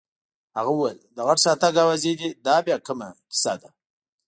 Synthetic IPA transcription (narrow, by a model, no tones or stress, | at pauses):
haɣawwajld̪əɣaʈsɑt̪aɡawazed̪id̪ɑbjɑkəmakɪ̥sad̪a